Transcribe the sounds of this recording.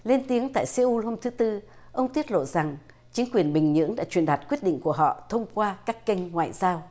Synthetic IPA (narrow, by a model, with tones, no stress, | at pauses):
le˧nt̪i˨˦əŋt̪a̰ː˧˨jsɛ˧ʔu˧ho˧mt̪ʰɨ˨˦t̪ɨ˧ | ʔə˧wŋ͡mt̪i˦˥ət̚lo̰˧˨za˨˩ŋ | t͡ɕï˨˦ŋ̟kwi˨˩ənɓï˨˩ŋ̟ɲɨ̰˧˥əŋɗa̰ː˧˥t͡ɕwi˨˩ənɗaː˨˩t̚kwət̚ɗḭ̈˧˨ŋ̟ku˧˩əɦɔ̰˧˨t̪ʰə˧wŋ͡mkwaː˧kaː˦˥kːə˧jŋ̟ŋwa̰ː˧˨jzaː˧w